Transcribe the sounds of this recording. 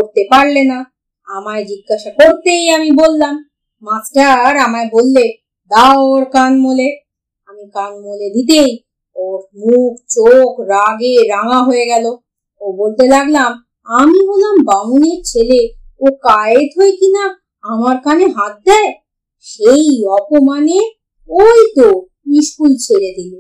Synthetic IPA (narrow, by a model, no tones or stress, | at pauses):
oɾt̪epaɾlena | amaɾd͡ʑiɡːaʃakoɾt̪ejamibolːamː | asʈaɾamaebolːe | d̪aooɾkanmole | amikanmoled̪it̪̬ej | oɾmukt͡ɕokɾaɡeɾaŋaɦoeɡɛlo | obolt̪elaɡlam | amiɦolambaŋuneɾt͡ɕʰeleokajet̪ɦoekina | amaɾkaneɦat̪̚d̪ɛe | ʃejɔpomane | ojt̪o | iʃkult͡ɕʰeled̪ilo